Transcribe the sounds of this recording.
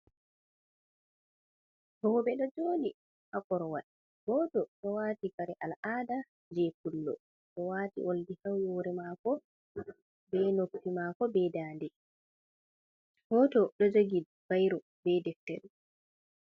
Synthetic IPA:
hɔːbɛɗɔd͡ʒoːni | ʔakɔɾɔwaɗi | hɔtɔɗɔwaːtikaɾɛʔalʔaːda | d͡ʒɛkulːɔ̰ | ɗɔwaːtḭʔoldihawjoːɾɛmakɔ | bɛnokːimaːkɔbɛdaːndɛ | hɔtɔɗɔd͡ʒoɡi | b̥ajɾɔ | bɛdɛftɛɾɛ

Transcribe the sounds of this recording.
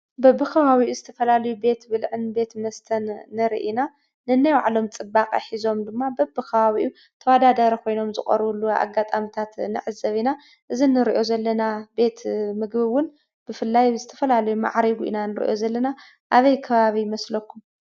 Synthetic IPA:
bɐbːɨkʰɐβaβiʔuzɨt̪ʰɐfɐlalɐjube̞t̪bɨlʕɨnbe̞t̪mɐst̪ʰɐnːɨɾḭʔina | nɨnːajwaʕlo̞mt͡sʼɨbːakʼa̰ħizo̞md̪ɨmːabɐbːɨkʰɐβaβiʔu | t̪ʰɐwad̪ad̪aɾikʰo̞jno̞mzɨxʼɐ̰ɾβulːua̰ɡːat̪ʼamit̪ʰat̪nɨ̰ʕɨzːɐβina | ʔɨzinɨɾiʔo̞zɐlːɐnabe̞t̪mɨɡbɨwʊn | b̥ɨfɨlːajzɨt̪ʰɐfɐlalɐjuma̰ʕɾiɡuʔḭnanɨɾḭʔo̞̰zɐlːɐna | ʔaβɐjkʰɐβaβijmɐslɐkʰːum

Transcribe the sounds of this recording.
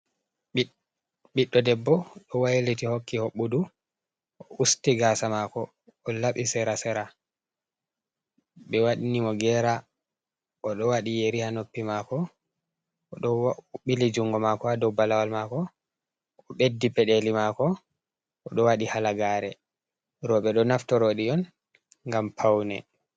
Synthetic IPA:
ɓiɗːɔdɛbːɔɗɔwajlitihokːihoɓːudu | ɔʔustiɡasamakɔː | laɓisɛɾasɛɾa | ɓɛwaɗinimɔɡɛɾa | ɔɗɔwaɗijeɾihanopːimakɔ | ɔɗɔɓilid͡ʒuŋɡɔmakɔadɔwbalawalmakɔ | ɔɓedːipɛɗelimakɔ | ʔɔɗɔwaɗihalaɡaːɾɛ | ɾɔɓɛɗɔnaftɔɾoɗiɔn | ŋɡampʰawnɛ̰

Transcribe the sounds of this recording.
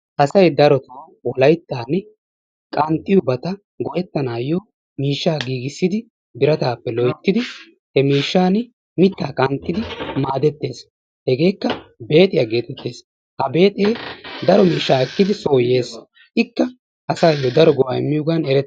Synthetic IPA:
ʔɐsɐjd̪ɐɾɔt̪ɐ | wɔlɐjt̪ːaːn | kʼɐnt̪ʼːɪjʊbɐt̪ɐ | ɡɔʔɛt̪ːɐnaːjoː | miːʃːaːɡiːɡɪsːɪd̪ɪ | bɪɾɐt̪aːpːɛlɔjt̪ːɪd̪ɪ | hɛmiːʃːaːn | mɪt̪ːaːkʼɐnt̪ʼːɪd̪ɪmaːd̪ɛt̪ːe̞ːs | hɛɡe̞ːkːɐbe̞ːt̪ʼɪjaɡe̞ːt̪ʼɛt̪ːe̞ːs | hɐbe̞ːt̪ʼeːd̪ɐɾɔmiːʃːaːɛkːɪd̪ɪsoːje̞ːs | ʔɪkːɐ | ʔɐsaːjːod̪ɐɾɔɡɔwaːɪ̰mːɪjʊɡɐnɛɾɛt̪ː

